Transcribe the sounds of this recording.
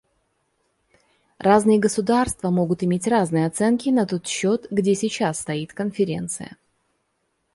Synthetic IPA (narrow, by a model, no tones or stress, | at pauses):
rʔaznɨjəɡəsʊd̪arst̪vəmo̞ɡʊt̪ɪmʲetʲraznɨjəɐt̪sɛnkʲɪnɐt̪o̞t̪ɕːo̞t̪ɡdʲesʲɪt͡ɕasːt̪ɐit̪kənfʲɪɾʲe̞̰nt̪sɨ̰jə̰